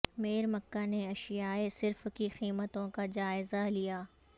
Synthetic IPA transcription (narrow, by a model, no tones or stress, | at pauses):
meːɾməkːaneɐʃɪjaːesɪɾfkixiːmət̪õkad͡ʒaːɪzalijaː